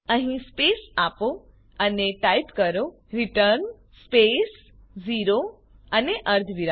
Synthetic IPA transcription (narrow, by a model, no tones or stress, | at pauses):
əɦĩspesapo | əneʈajpkəɾo | ɾiʈəɾn | spes | ziɾo | əneʔəɾt̪ʰʋiɾa